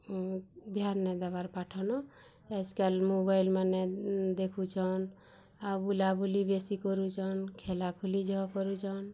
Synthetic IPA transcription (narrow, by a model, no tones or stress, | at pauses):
d̪ʱjanːɛd̪abaɾpaʈʰɔnɔ | ɛjskalmobajlmanɛd̪ekʰut͡ʃʰɔn | abulabʱulibesikɔɾut͡ʃʰɔnkʰelakʰulid͡ʒɔɦkɔɾut͡ʃʰɔn